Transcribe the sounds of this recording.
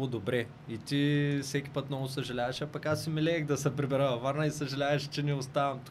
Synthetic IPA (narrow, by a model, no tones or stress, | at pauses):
ʊd̪obɾɛ | it̪ifsɛkʲi̥pət̪nɔvʊsɐʒɐlʲavɐʃɐpakasːimɛlɛːxd̪ɐsɛpɾibɛɾəvaɾnɐisɐʒɐlʲavɛʃt͡ʃɛnɛost̪avɐmt̪u̥